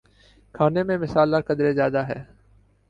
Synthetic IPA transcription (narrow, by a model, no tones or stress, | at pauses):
kʰaːnemẽmɪsaːlakəd̪ɾezjaːd̪aɦɛː